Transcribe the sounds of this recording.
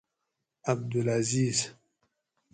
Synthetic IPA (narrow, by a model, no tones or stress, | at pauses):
ab̚d̪ulaziːz